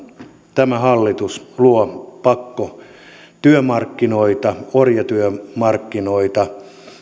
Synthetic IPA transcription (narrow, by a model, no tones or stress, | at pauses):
t̪æmæhɑlːit̪usluopɑkːo | t̪yømɑrkːinoit̪ɑorjɑt̪yømɑrkːinoit̪ɑ